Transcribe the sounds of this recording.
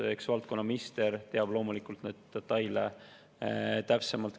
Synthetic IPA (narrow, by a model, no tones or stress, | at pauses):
eksvɑlt̪̚ko̞nːɑmist̪eɾt̪e̞ɑb̥lo̞ːmulikˑult̪ned̪̥d̪̥et̪ːɑjle | t̪æpsemɑlt̪